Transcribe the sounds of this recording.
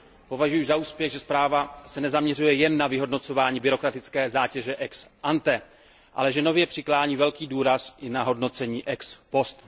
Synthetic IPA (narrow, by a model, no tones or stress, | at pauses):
po̞vaʒujuzaʔuːspjɛɣʒɛspɾaːvasɛnɛzamɲɛrujɛjɛnːavɪɦo̞dno̞t͡so̞vaːɲiːbɪɾo̞kɾat̪ɪt͡skɛːzaːcɛʒɛʔɛksʔant̪ɛ | ʔa̰lɛʒɛno̞vjɛpr̝̥ɪklaːɲiːvɛlkiːduːɾasʔɪnaɦo̞dno̞t͡sɛɲiːʔɛkspo̞st̪